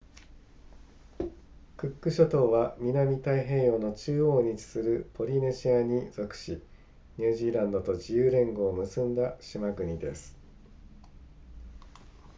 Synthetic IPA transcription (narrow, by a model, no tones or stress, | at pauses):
kɯ̟kːɯ̟ɕot̪o̞ːβamʲinamʲit̪aiɦẽ̞ːjo̞ːno̞t͡ɕɨːoːɲ̟it͡ɕi̥sɨɾɯ̟pʰo̞ɾʲine̞ɕiaɲ̟iz̥o̞kɯ̟̥ɕi | ɲ̟ʲɨːʑiːɾãnd̪o̞t̪o̞d͡ʑijɯːɾẽ̞ŋɡo̞ːmɯ̟sɨ̃nd̪aɕimaɡɯ̟ɲ̟id̪e̞sɨ̥